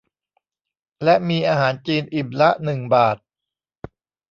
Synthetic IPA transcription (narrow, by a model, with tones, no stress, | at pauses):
lɛ˦˥ʔmiː˧ʔaː˧ɦaː˩˦nt͡ɕiː˧nʔiː˨˩p̚la˦˥ʔnɯ˨˩ŋbaː˨˩t̪̚